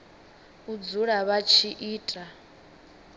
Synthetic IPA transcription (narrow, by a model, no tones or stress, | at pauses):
ud͡zuɺaβat͡ʃʰiʔiːtʼa